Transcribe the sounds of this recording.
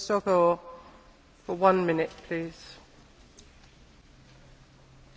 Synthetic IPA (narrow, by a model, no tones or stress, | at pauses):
sɔkəl | fəwʌ̃nmɪnɪʔpʰl̥iːz̥